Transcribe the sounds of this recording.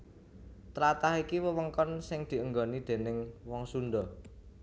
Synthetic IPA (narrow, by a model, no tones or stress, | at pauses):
t̪ɾat̪ahikiwəwəŋkɔnsɪŋd̪̥i̤əŋɡɔnid̪̥e̤nɪŋwɔŋsund̪ɔ